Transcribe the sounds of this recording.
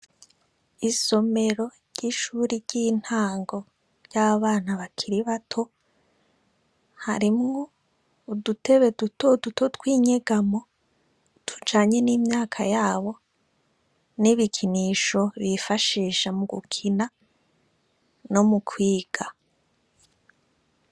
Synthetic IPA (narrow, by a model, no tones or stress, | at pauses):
iso̞me̞ɾo̞ɾɟ̥iʃuːɾiɾɟiːn̥haːŋɡo̞ | ɾɟ̥aaβaːn̥aβakʰiɾiβatʰo̞ | ha̰ɾimŋoː | dute̞βe̞dutodutʰo̞twiːɲeɡamo̞ | tu̥d͡ʒaːɲe̞niːmɲaːkʰajaːβo̞ | niβikʰiniːʃo̞βifaʃiːʃamuɡṵkʰina | no̞mukʰwiːɡ̥a